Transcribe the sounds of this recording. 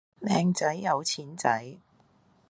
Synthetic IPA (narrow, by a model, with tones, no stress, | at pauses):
lɛː˨˧ŋt͡sɐ˨˥jːɐ˨˧wt͡sʰiː˨˥nt͡sɐ̰˨˥j